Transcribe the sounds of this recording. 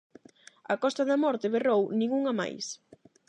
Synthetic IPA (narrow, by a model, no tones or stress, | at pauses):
ɐkɔst̪ɐðɐmɔɾt̪ɪβerownĩŋuŋɐma̰js